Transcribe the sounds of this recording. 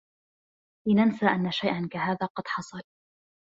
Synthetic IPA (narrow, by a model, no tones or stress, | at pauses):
lɪnansaːʔanːaʃajʔankaɦaːðaːqɑd̪̥ħɑsˤɑl